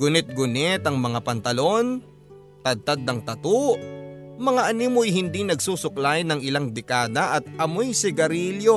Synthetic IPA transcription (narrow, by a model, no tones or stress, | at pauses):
ɡʊnɪt̪̚ɡʊnɛt̪ɐŋmɐŋapɐnt̪ɐlo̞n | t̪ɐd̪̚t̪ad̪̚nɐŋt̪ɐt̪oʔmɐŋaʔɐniːmojɦɪnd̪inɐɡsuːsʊklajnɐŋɪlaŋd̪ɛkaːd̪ɐʔɐt̪̚ɐmojsɪɡɐɾiljo̞